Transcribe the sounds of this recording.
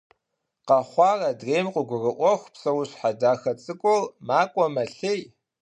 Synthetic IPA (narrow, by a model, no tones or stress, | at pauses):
qɐχʷɑːrɐdreːmqʷʊɡʷʊrɨʔʷɔxʷpsɐwɕħadaːxɐt͡sʼɨkʷʼɔlmaːkʷʼɔmɐɬej